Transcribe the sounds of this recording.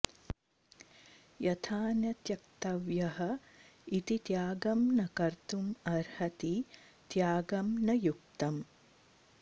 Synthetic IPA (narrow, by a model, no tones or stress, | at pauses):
jɐt̪ʰaːnjɐt̪jɐk̚t̪ɐʋjɐɦɐ̆ | it̪it̪jaːɡɐmnɐkɐɾt̪umɐɾhɐt̪i | t̪jaːɡɐmnɐjuk̚t̪ɐm